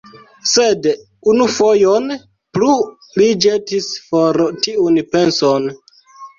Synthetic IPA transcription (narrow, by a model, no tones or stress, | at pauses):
sed | unufojon | plu | lid͡ʒetisfoɾtiunpe̞nson